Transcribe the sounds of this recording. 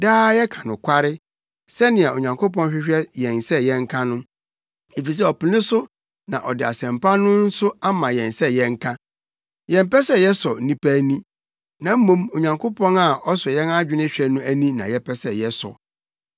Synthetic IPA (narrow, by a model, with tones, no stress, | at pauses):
daː˦jɛ˦kʰã˨nʊ̃˨kʷʰa˦ɾɪ˦ | sɛ˦nɪ̃˨a˨o˨ɲã˨ŋkʰo˦pɔ̃˦n˦ɕᶣɪ˦ɕᶣɛ˦jɛ̃˨n˨sɛ˦jɛ̃˦ŋ̩˦kʰã˦nʊ̃˦ | e˨fi˨s̬ɛ˦ɔ˨pi˨nɪ̃˦sʊ˦ | nã̰˨ʔɔ˨dɪ˨a˨sɛ̃˨mpa˦nʊ̃˦n̩˦sʊ˦a˦mã˨jɛ̃˨nsɛ˦jɛ̃˦ŋ̩˦kʰã˦ | jɛ̃˨m˦pɛ˦sɛ˦jɛ˦sɔ˨˦nĩ˦pʰæ˦nĩ˦ | nã˨m̩˦mũ˦mo˨ɲã˨ŋkʰo˦pʰɔ̃˦na˨ɔ˦sɔ˨jɛ˦na˦d͡ʑᶣɪ˦nɪ̃˦ɕᶣɛ˦nʊ̃˦æ˦nĩ˦nã̰˨jɛ˦pʰɛ˦sɛ˨jɛ˦sɔ̰˨